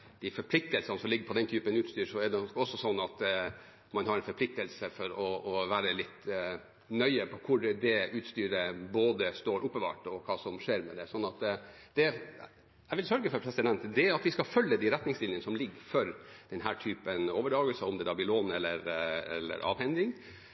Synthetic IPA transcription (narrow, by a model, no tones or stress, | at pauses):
d̪̥æfɔɾpʰlɪk̚t̪əlsɑnəsɔmlɪɡːəɾpʰɔd̪ɛnt̪ʰyːpənʉːt̪st̪yːɾʂɔɛɖɛɔsːɔsɔnːɑt̪ | mɑnhɑɾɛnfɔɾpʰlɪk̚t̪əlsəfɔɾɔːʋæːɾəlɪt̪ː | nœʏəpʰɔkʰʊɾd̪ɛʉːt̪st̪yːɾəboːd̪əst̪oːɾʔʊpːəbɑ̰ːʈɔkʰɑːsɔmʂeːɾmɛd̪ɛsɔnːɑt̪d̪̥ɛ | æɪʋɪlsœɾɡəfɔɾpʰɾɛsɪd̪ɛnt̪d̪ɛɾɑt̪ʋɪskɑfœlːəd̪ɪɾɛt̪nɪŋst̪ɪlɪənəsɔmlɪɡːfɔɾd̪̥ɛnɦæːʈʰyːpənoːʋəɖɑːɡəlsəɔmd̪ɛd̪ɑbɪloːnɛlːəɾɛ̰lːə̰ɾʔɑ̰ːʋhɛŋd̪ɪŋ